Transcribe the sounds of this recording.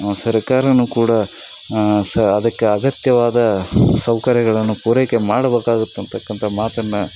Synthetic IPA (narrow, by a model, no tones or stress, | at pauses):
sɐɾɐkaːɾɐnukuːɽɐ | sɐɐd̪ɐkːeɐɡɐt̪jɐʋaːd̪ɐsɐwkɐɾjɐɡɐɭɐnːupuːɾejkemaːɽɐbeːkaːɡut̪ːuɐnt̪ɐkːɐnt̪ʰɐmaːt̪ɐnːɐ